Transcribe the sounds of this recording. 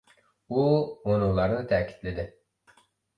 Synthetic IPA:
uonuŋlˠɑɾnɨt̪ʰɛkʲʰi̥t̪lɪd̪ɪ

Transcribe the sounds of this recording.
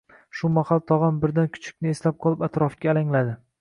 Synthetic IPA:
ʃʊmahalˠt̪ʰɒʁɑnbɪɾd̪ankʰʊ̥t͡ʃʰɪ̥k̚ʲnɪeslap̚qʰɒlˠɪpat̪ɾɒfkʲaːlaŋlad̪ɪ

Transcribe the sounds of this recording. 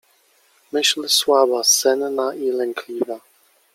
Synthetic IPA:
mɘɕlswabasɛnnaʔilɛŋkʰlʲiva

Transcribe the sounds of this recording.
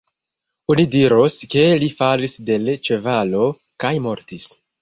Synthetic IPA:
unidiɾoske̞lifalisde̞lt͡ʃe̞valo̞ | kajmo̞ɾtis

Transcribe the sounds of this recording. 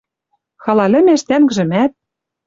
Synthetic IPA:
xɑlɑlʲɘ̆meʃt̪æŋɡ̆ʒɘ̆mæt̪̚

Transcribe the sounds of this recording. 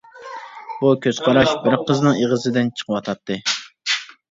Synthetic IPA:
bukʲʰøz̥qʰɑɾɑʃbɪɾqʰəznɨŋeʁəzɨd̪ɪnt͡ʃʰə̥qʰəwɑt̪ʰɑt̪ʰːɨ

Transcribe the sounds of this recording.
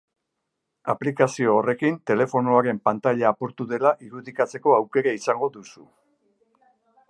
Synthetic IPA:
aplikasio̞ːre̞kint̪e̞le̞fo̞noaɾe̞mpant̪aʎaːpo̞ɾt̪uðe̞laʔiɾuðikat͡se̞ko̞awke̞ɾaisaŋɡo̞ðusu

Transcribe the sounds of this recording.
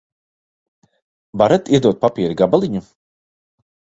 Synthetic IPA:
vaɾat̪iɛd̪uɔt̪̚papʲiːɾiɡabalˠiɲu

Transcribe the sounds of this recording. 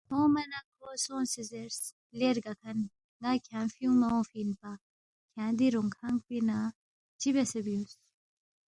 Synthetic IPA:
hõːmɐnakɾosõːnsizeɾs | leɾɡɐkʰɐn | ɡaːkʰjãːnfjũmɐõːfiːnpa | kʰjãːd̪iɾuŋɡaŋɡpina | t͡ʃibesɐbjũːs

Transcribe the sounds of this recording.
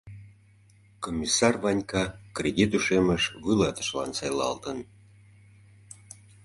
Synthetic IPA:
komʲːisɑrβɑnʲkɑkrʲedʲit̪uʃeməʃβɯlɑt̪ə̥ʃlɑ̰nsɑjlɑ̰lˠt̪ən

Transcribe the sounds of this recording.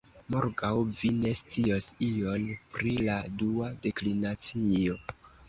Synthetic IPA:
moɾɡawvine̞st͡siosio̞npɾiladuade̞klinat͡sio̞

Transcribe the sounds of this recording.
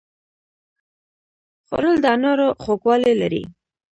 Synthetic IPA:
xo̰ɾəld̪ɑnoɾoxokwɑlelaɾḭ

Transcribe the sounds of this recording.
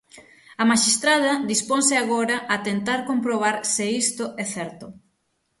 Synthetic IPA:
ɐmaʃist̪ɾað̞ɐd̪isponsɪaɣoɾɐʔɐt̪ent̪aɾkompɾoβ̞aɾsɪist̪ʊʔɛθɛɾt̪ʊ

